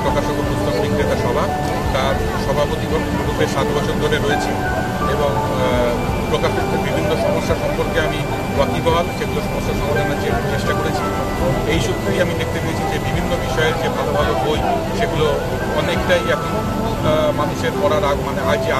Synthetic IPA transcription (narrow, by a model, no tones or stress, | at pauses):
pɾokaʃokoɾud̪ʰːomnikɾet̪aʃɔbʱa | t̪aɾ | ʃɔbʱapot̪iko | bud̪ʱeʃat̪bɔt͡ɕʰoɾd̪ʱoɾeɾojet͡ɕʰi | eboŋ | pɾokaʃoɾk̪ʰːebibʱinːoʃɔmoʃːaʃɔmpoɾkeami | wak̪ibaɦat̪ʃeɡuloʃɔmoʃːaʃɔbaɾenat͡ɕeɾt͡ɕeʃʈakoɾet͡ɕʰi | ejʃut̪ʰːeɾiamid̪ek̚ʰt̪epeet͡ɕʰid͡ʑebibʱinːobiʃɔeed͡ʑebʱalobʱaloboj | ʃeɡulo | ɔnekʈajɛkʰon | manuʃeɾpɔɽaɾaɡmaneajd͡ʑia